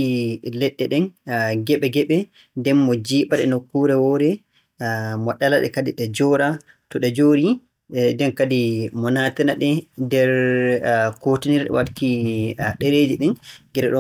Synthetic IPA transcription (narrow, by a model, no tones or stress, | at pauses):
ilɛɗːɛɗɛnɡɛɓɛɡɛɓɛ | dɛmːɔd͡ʒiːɓaɗɛ̰nokːuɾɛwɔɾɛ | mɔɗalaɗɛ̰kadiɗɛd͡ʒɔɾa | tɔɗɛd͡ʒoːɾi | dɛnkadimɔnatɛnaɗɛdɛɾ | kotiniɾɗɛ̰watkiɗɛɾediɗinɡɛɾɛɗɔ